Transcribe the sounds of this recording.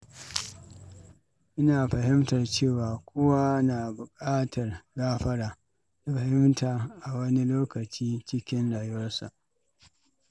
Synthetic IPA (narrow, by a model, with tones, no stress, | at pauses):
ʔɪ˦naː˨ɸɐ˨ɦɪ˦mtɐ˨rt͡ʃeː˦˨waː˨kʷʰʼʊ˦wa˦naː˨bʊ˨kʼaː˦tʰɐ˨rɡaː˦ɸɐ˦ɽaː˨ | na˨ɸɐ˨hɪ˦mtaː˨ʔa˨wɐ˦ni˦loː˦kɐ˨t͡ʃiː˦t͡ʃɪ˦kʲɪ˦nɽaː˨jʊ˦wɐ˦rsa̰˨ʔ